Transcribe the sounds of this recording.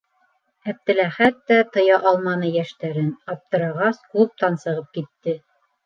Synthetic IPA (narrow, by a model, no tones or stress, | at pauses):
æp̚t̪æ̆læχæt̪ːæt̪ɤ̆jɑʔɑlˠmɑnɤjæʃt̪æɾɘnɑp̚t̪ɤ̆ɾɑʁɑskup̚t̪ɑnsɤ̆ʁɤp̚kit̪ːɘ